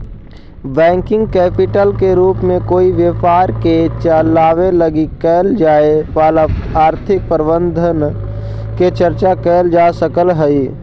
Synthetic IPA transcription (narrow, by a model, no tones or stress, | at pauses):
bɛ̃ːŋkɪ̃ŋɡkɛːpɪʈəlkeɾuːpmẽkoːiʋjəfaːɾket͡ʃəlaːʋeləɡikɛːld͡ʒaːepaːlaaːɾt̪ʰɪk̚pəɾbə̃nd̪ʱən | ket͡ʃəɾt͡ʃakɛːld͡ʒaːsəkəlɦəi